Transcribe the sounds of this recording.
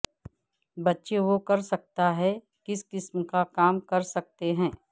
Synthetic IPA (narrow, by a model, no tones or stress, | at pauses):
bɐtːʃeʋokɐɾsɐk̚t̪aɦɛ | kɪskɪsmkakaːmkɐɾsɐk̚t̪eɦɛ̃ː